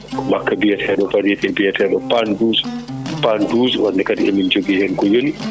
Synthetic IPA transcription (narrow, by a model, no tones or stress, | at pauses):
kɔmakːabijatɛɛɗɔfaɾɛtɛbijatɛɛɗɔpanduːzpanduːzwandɛkadiʔɛmind͡ʒoɡihɛmkɔjoni